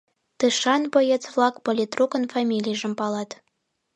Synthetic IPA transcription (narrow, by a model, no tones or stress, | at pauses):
t̪ɨʃɑnbojĕt͡svlˠɑkpolʲit̪rukə̆nfɑmʲilʲijʒə̆mpɑlɑt̪